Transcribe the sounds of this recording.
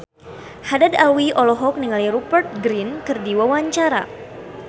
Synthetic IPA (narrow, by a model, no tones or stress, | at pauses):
hadadalwiʔɔlɔɦɔk̚niŋaliɾupərt̪̚ɡɾinkɨrdiwawaɲt͡ʃaɾa̰